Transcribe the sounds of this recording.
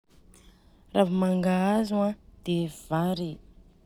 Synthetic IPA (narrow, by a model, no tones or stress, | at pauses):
ravamaŋɡaazuãd̪̥ev̥aɾe